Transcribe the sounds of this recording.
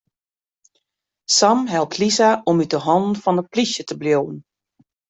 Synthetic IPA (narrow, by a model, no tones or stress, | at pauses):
samɦɛl̚ˠtʰlisaʔɔmytəɦɔnn̩fɔnəplisjətəbljown̩